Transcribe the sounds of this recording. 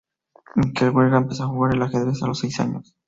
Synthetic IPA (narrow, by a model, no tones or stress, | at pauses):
eŋkelɣwelɣaempesoaxuɣaɾelaxeðɾesalosejsa̰ɲo̰s